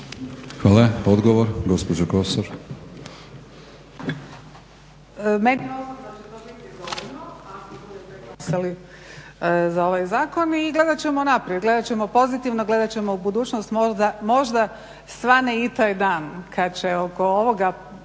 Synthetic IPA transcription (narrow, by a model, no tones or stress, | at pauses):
xʋaːlˠaod̪ɡoʋoɾɡo̞spod͡ʑokosoɾ | me̞nimozzait̪onekezolinoakibud̪epeɡasali | zao̞ʋajzaːko̞niɡle̞d̪at͡ɕe̞monapɾijed̪ɡle̞d̪at͡ɕe̞mo̞po̞zit̪iʋnoɡle̞d̪at͡ɕe̞moubud̪uːt͡ʃnost̪mod̪amo̞ʒd̪a | sʋaneit̪ajd̪aːnkʰad̪t͡ɕe̞o̞ko̞oʋo̞ɡa